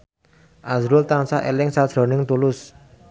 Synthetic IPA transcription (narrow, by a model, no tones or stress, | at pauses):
ʔazɾʊlt̪ansaʔḛlɪŋsḁʒ̥ɾo̤nɪŋt̪ulʊs